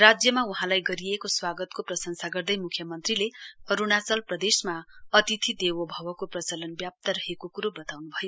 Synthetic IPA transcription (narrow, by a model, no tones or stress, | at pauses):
rad͡zjʌmauɦãlajɡʌɾiekoswaɡʌt̪koprʌsʌŋsaɡʌrd̪ʌjmukʰjʌmʌnt̪rileʌɾunat͡sʌlprʌd̪esmaʌt̪it̪ʰid̪ewobʱʌwʌkoprʌt͡sʌlʌnbjap̚t̪aɾʌɦekokuɾobʌt̪awnubʱʌjo